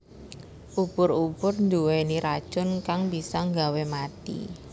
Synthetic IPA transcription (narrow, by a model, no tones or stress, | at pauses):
ʔub̥ʊɾub̥ʊrnd̪uweniɾad̥ʒ̥ʊ̤nkaŋbisɔŋɡawemat̪ḭ